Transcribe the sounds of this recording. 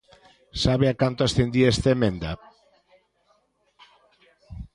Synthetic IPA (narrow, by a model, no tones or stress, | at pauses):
saβeakant̪oasθend̪iest̪emẽnd̪a